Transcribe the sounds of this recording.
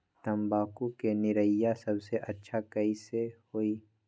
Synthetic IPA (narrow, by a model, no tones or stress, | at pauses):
t̪ɐmbaːkukenɪɾəjːasɐbseʔɐtːʃʰakɐisehoːiː